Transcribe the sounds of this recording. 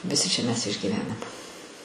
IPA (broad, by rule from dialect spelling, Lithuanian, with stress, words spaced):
ʋʲɪˈsʲɪ t͡ʃʲɛ mʲɛs ɪʒʲɡʲiːˈʋʲæːnɐm